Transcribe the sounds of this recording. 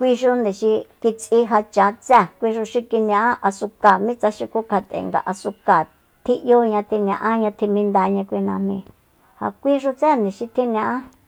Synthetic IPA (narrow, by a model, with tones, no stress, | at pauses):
kʷi˦˧ʃu˧nd̪ĩ˨ʃi˧ki˧t͡si˦ɦa˧t͡ʃa˨˦t͡sɛ˦˨kʷi˧ʃu˧ʃi˧ki˧ñ˧ã˧ʔã˦ʔa˧su˧ka˨mĩ˦t͡sa˧ʃi˧ku˧˦kʰa˧t̪ḛ˨ŋɡa̰˨ʔa˧su˧ka˨ | t̪ʰi˦ʔjo˦ɲã˧t̪i˧ñ˧ã˧ʔã˦ɲã˧t̪ʰi˧mĩ˧nd̪a˧ɲã˧kʷi˧nã̰˧mmĩ˧ | ha̰˧˨kʷi˦ʐu˧t͡se˦˨nd̪ĩ˨ʃi˧t̪ʰi˦nĩ˧ã˧ʔã˦